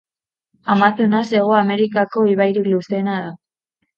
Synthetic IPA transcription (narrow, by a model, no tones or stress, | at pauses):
amasunase̞ɣ̞o̞ame̞ɾikako̞iβajɾikluse̞naða